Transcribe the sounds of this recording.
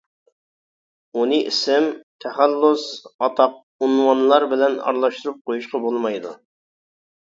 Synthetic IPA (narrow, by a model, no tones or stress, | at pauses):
unɨʔḭsɪmt̪ʰɛχælːusɑt̪ʰɑq̚ | unwɑnlˠɑɾbɪlɛnɑ̰ɾlˠɑʃt̪uɾup̚qʰojuʃqɑbolˠmɑjd̪ṵ